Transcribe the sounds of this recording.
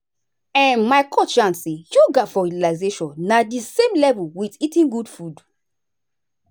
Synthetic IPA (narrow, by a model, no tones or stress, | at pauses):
ɛ̃nmaɪkʰɔt͡ʃãnsĩjuɡafɔɹitilazeʃɔ̃nːadisẽmlɛvuwititĩnɡudfud